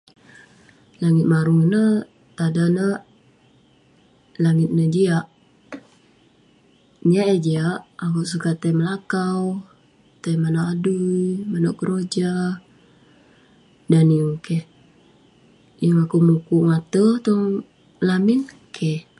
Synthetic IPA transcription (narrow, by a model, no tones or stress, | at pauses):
laŋɪt̪̚maɾuŋnə | t̪adanə | laŋɪt̪̚nəd͡ʒiaʔ | ɲaʔəd͡ʒiaʔakuʔsukat̪əjməlakaw | t̪əjmanaʔadujmanaʔkəɾod͡ʒa | daniukeh | jaŋakumukuʔŋat̪ət̪ɔŋ | lamɪn | kʰɛh